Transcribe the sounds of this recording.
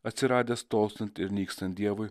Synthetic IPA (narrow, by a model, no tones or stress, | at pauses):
ɐt̪ʲsʲɪɾɑːd̪ʲest̪oːlˠsʲɐnt̪ʲɪɾnʲiːkst̪ɐnt̪ʲd̪ʲiɛʋʊj